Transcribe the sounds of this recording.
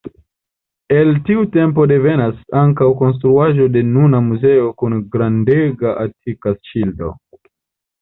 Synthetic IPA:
e̞ltiute̞mp̬o̞de̞ve̞nasaŋkawko̞ns̬tɾuaʒo̞de̞nunamuze̞o̞kunɡɾandeɡaʔatʰikast͡ʃildo̰

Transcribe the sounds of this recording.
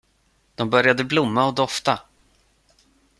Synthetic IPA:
d̪̥ɔmbœɾjad̪əblʊmːaɔd̪ɔft̪a

